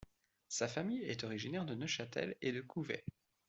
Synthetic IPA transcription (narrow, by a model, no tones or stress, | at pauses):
safamijɛt̪ɔʁiʒinɛʁd̪ənəʃat̪ɛ̰led̪əkʰuvɛ̰